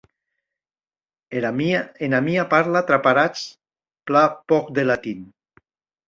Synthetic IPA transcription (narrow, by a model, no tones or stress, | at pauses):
enamiapaɾlat̪ɾapaɾat͡s | plapɔk̚d̪elat̪in